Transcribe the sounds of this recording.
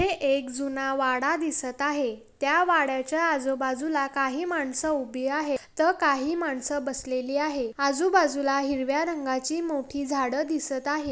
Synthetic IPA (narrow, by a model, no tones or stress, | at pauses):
eʔekd͡zunaʋaɽad̪isət̪aɦet̪jaʋaɽjat͡ɕjaːd͡zobad͡zulakaɦiːmaɳsəubʱiaɦet̪əɾkaɦiːmaɳsəbəsleliːaɦead͡zubad͡zulaɦiɾʋjaɾəŋɡat͡ɕiːmoʈʰiːd͡zʱaɽəd̪isət̪aɦe